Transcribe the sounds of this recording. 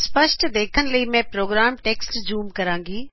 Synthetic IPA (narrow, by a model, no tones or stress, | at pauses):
spəʃʈd̪eːkʰənɪ̆ləimẽpɾoːɡɾaːmʈeːksʈd͡ʑuːmkɐɾãːŋɡiː